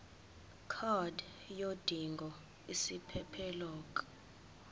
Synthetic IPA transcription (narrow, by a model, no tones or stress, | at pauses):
kʰɔd | jod̥ʱiŋɡʱɔ | isipʰɛpʰɛlɔːkʼɔ̥